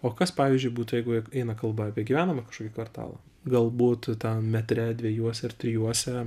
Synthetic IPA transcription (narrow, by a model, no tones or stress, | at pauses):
oːkɐspɑːʋʲiːzʲd͡ʒʲʊɪbuːt̪ʊjɛɪɡʊɛɪnɐkɐlˠbɐɑːpʲiɛɡʲiʋʲæːnɐmɐkɐʃkoɔkʲikʋɐrt̪ɑ̰ːlˠɐ̰ | ɡɐlˠbuːt̪t̪ɐnmʲɛt̪ʲɾʲɛd̪ʲʋʲɛjuɔsʲɛɪrt̪ʲɾʲɪjuɔsʲɛ